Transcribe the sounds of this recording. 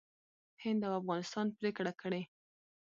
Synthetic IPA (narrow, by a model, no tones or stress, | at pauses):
hɪnd̪awafɣɑnɪst̪ɑnpɾekɽakəɽe